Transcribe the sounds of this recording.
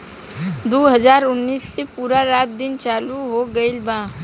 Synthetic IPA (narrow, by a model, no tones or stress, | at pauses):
d̪oːɦəzaːɾʊnːiːsːepuːɾaɾaːt̪̚d̪ɪnt͡ʃaːluɦoɡəɪlbãː